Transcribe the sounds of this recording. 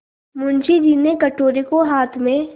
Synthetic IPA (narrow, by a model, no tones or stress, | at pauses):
mʊnt͡ʃid͡ʒiːnekɐʈoːɾekoɦaːt̪ʰmẽ